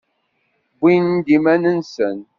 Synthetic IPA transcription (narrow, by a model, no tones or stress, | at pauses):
bʷind̪imænənsən